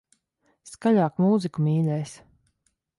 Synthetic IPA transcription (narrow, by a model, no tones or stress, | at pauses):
skaʎaːkmuːzikumiːlʲɛjs